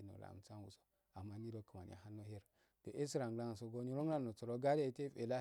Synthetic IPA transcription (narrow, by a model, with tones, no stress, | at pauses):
no̰˨la̰˨t͡sa˦nwṵ˨so̥˨ | a˨mːa˦ni˦do˦kə˨ma˨n̰˨a̰˨ɦa˦nːo˦he˦ɾ | to˨ʔe˦si˦ɾa˨ŋ˨la˦ŋ˨so˨ɡo˦ni˦ɾo˦a˦no˨t͡so˨ɾo˦ɡa˦de˦˨˦te˦fe˨la˦